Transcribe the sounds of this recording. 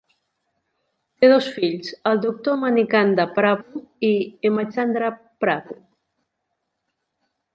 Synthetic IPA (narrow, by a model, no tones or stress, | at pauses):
t̪eð̞osfiʎsəld̪uk̚t̪omanikand̪apɾaβuiemat͡ʃand̪ɾa | pɾaku